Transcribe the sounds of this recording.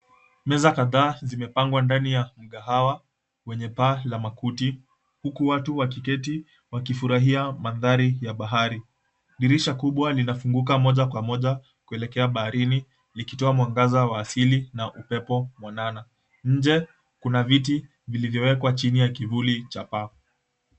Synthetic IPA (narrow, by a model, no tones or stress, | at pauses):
mɛzakaðaːzimɛpaŋɡwandanijam̩ɠaɦawa | wɛɲɛpalamakuti | hukuwatuwakikɛti | wakifuɾaɦiamanðaɾijaɓaɦaɾi | ɗiɾiʃakuɓwalinafuŋɡuk̬amɔʄakwamɔʄa | kuɛlɛkɛaɓahaɾini | likitɔamwaŋɡazawaːsilinaʔupɛpɔmwanana | ɲ̩d͡ʒɛ | kunaviti | vilivjɔwɛkwat͡ʃinijakivulit͡ʃapa